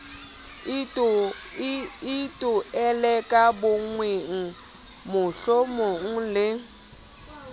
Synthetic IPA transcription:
itʼʊɛlɛkʼabʊŋweŋ̩ | mʊɬomoŋ̩lɪ

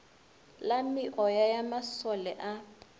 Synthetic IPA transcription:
lamɪʔɔjajamasɔlɛʔa

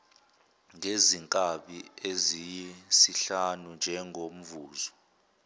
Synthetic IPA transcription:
ŋʱeziŋkʼaɓiezijisiɬanund͡ʒʱɛŋʱom̩vuːzɔ

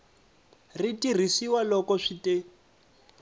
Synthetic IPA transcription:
ritir̤isiwalɔkɔʂitʼe

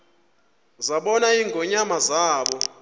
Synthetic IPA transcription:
zaɓɔnaiŋɡʱɔɲamazaːɓɔ

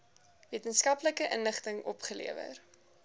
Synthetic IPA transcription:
viətənskɐpləkəʔənləχtəŋɔpχəlḭəvə̰r

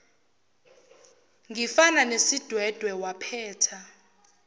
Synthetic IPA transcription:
ŋʱifananesid̥ʱwɛd̥ʱwɛwapʰɛːtʰa

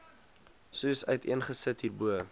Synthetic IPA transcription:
susœɥtiənχəsətɦiːrbuə

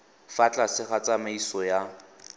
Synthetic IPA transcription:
fat͡ɬʼasɪχat͡sʼamaisɔja

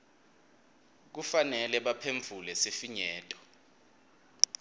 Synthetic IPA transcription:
k̬ufanɛlɛɓapʰeɱb̪vʱulɛsefiɲɛːtʼɔ̥

